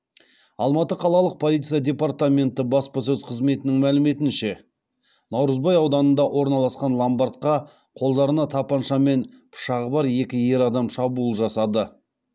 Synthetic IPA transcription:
ɑlˠmɑt̪əqʰɑlˠɑlˠəq̚pʰo̞lˠijt̪sijad̪ʲe̞part̪amʲe̞nt̪ɪbɑspɑsɵzqʰəzme̞t̪ɪnɪŋmælɪme̞t̪ɪnʃe̞ | nɑwɾəzbɑjɑwd̪ɑnənd̪ɑwʔo̞ɾnɑlˠɑsqɑnlˠambɑɾt̪̚qɑ | qʰo̞lˠd̪ɑɾənɑt̪ʰɑpɑnʃɑme̞n | pʰʊ̥ʃɑʁəbɑɾje̞kʲɪje̞ɾɑd̪ɑmʃɑbulˠʒɑsɑd̪ə

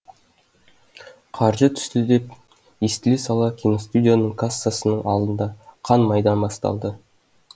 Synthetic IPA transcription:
qʰɑɾʒət̪ʰʏ̥st̪ɪd̪e̞p | ist̪ɪlesɑlˠɑkʲʰinost̪ud̪ʲijanəɴkʰasːasənəɴʔɑ̰lˠd̪ənd̪ɑqʰɑnmɑjd̪ɑnbɑst̪ɑ̰lˠd̪ə

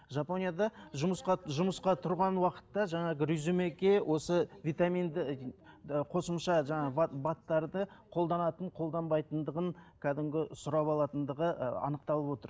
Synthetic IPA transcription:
ʒɑpo̞nʲijad̪ɑʒʊmsqɑʒʊməsqɑt̪ʰʊɾʁɑnwɑqə̥t̪ːɑʒɑɴɑɾyzumekʲe̞wʔo̞səvit̪amind̪ɪ | qʰo̞səmʃɑʒɑɴɑbbɑt̪ːɑɾd̪əqʰo̞lˠd̪ɑnɑt̪əɴqʰo̞lˠd̪ɑnbɑjt̪ənd̪əʁənkʲʰæd̪ɪmɡʲɪsʊɾɑpɑlˠɑt̪ənd̪əʁəɑ̰nəq̚t̪ɑlˠəpwo̞t̪əɾ

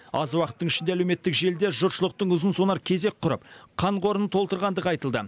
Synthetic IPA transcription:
ɑzwɑqət̪ːəɴɪʃɪnd̪eælewme̞t̪ːɪkʒe̞ld̪e̞ʒʊt̪ʃəlˠəq̚t̪əɴʊzənso̞nɑɾkʲʰe̞ze̞k̚ʲqʰʊɾəpqʰɑɴqʰo̞ɾənət̪ʰolˠt̪əɾʁɑnd̪əʁɑjt̪əlˠd̪ə

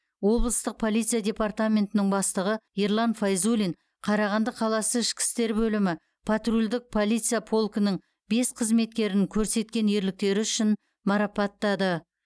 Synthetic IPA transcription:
wo̞blˠəst̪əq̚pʰo̞lˠijt̪sijadʲe̞part̪amʲe̞nt̪ɪnɪŋbɑst̪əʁəeɾlˠɑnfajzulʲiŋ | qʰɑɾɑʁɑnd̪əqʰɑlˠɑsəɪʃkʲɪ̥st̪e̞ɾbɵlɪmɪ | pʰat̪rulʲd̪ɪk̚pʰo̞lʲˠijt̪sɨjapʰo̞lˠkənəŋ | be̞sqʰəzme̞t̪̚kʲe̞ɾɪŋkʲʰɵɾse̞t̪̚kʲe̞ne̞ɾlɪk̚t̪e̞ɾɪʏʃɪn | mɑɾɑpɑt̪ːɑd̪ə

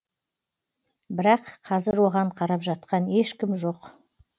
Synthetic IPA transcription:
bɪɾɑqʰːɑzɪɾwo̞ʁɑɴqʰɑɾɑpʒɑt̪̚qɑne̞ʃkʲɪmʒo̞q

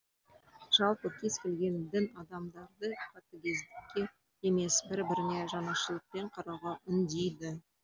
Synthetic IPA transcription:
ʒ̥ɑlˠpəkʲʰe̞skʲe̞lɡʲe̞nd̪ɪnɑd̪ɑmd̪ɑɾd̪əqʰɑt̪əkʲe̞zd̪ɪkʲːe̞ | eme̞sbɪɾbɪɾne̞ʒɑnɑʃəlˠəq̚pe̞ɴqʰɑɾɑʁɑʔʏnd̪ejd̪ɪ

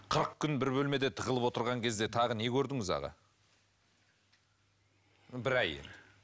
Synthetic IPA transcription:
qʰəɾəq̚kʲʰʏnbɪɾbɵlme̞d̪e̞t̪ʰəʁəlˠəpwo̞t̪əɾʁɑŋkʲʰe̞zd̪e̞t̪ʰɑʁəne̞kʲʰɵɾd̪ɪŋɪzɑ̰ʁɑ̰ | bɪɾæjḛ

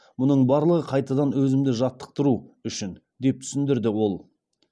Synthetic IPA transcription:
mʊnəɴbɑɾlˠəʁəqʰɑjt̪ɑd̪ɑnwɵzɪmd̪ɪʒɑt̪ːə̥q̚t̪əɾuʏʃɪn | d̪e̞p̚t̪ʰʏ̥sɪnd̪ɪɾd̪ɪwo̞lˠ

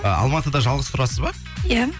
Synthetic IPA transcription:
əɑ̰lˠmɑt̪əd̪ɑʒɑlˠʁəst̪ʰʊɾɑsəzbɑɾ | ja

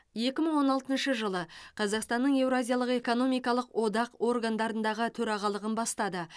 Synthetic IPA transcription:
je̞kʲɪməɴwo̞nɑlˠt̪ənʃəʒəlˠəqʰɑzɑqst̪ɑnːəɴje̞wɾoazʲijaɑlˠəqe̞ko̞no̞mijkɑlˠəqwʔo̞d̪ɑqo̞rɡand̪ɑɾənd̪ɑʁət̪ʰɵɾɑʁɑlˠəʁənbɑst̪ɑd̪ə

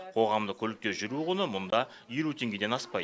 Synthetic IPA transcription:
qʰo̞ʁɑmd̪əkʲʰɵlɪk̚t̪e̞ʒʏɾuʁənəmʊnd̪ɑ | jelut̪ʰe̞ŋɡʲe̞d̪e̞nɑspɑj

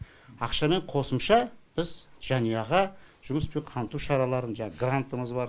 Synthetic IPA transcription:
ɑqʃɑme̞ɴqʰo̞səmʃɑb̥ɪzʒ̥ɑnijɑʁɑ | ʒ̥ʊməspeɴqʰɑnt̪uʃɑɾɑlˠɑɾənʒɑɡrant̪əməzbɑɾ

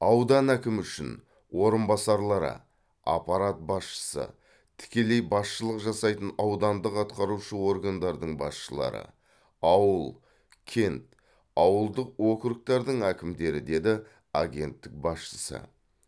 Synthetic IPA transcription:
ɑwd̪ɑnækʲɪmʏʃɪ̰n | wo̞ɾənbɑsɑɾlˠɑɾə̰ | ɑ̰pɑɾat̪̚bɑsʃə̥sə̰ | t̪ʰɪ̥kʲe̞le̞jbɑsʃəlˠəqʒɑsɑjt̪ənɑwd̪ɑnd̪əqɑt̪̚qɑɾuʃəwo̞ɾɡand̪ɑɾd̪əɴbɑ̰sʃəlˠɑ̰ɾə̰ | ɑwəlˠ | kʲʰe̞nt̪ | ɑwəlˠd̪əq̚wo̞kɾək̚t̪ɑɾd̪əɴækʲɪmd̪e̞ɾɪd̪e̞d̪ɪ | aɡʲe̞nt̪ːɪk̚bɑsʃə̥sə̰

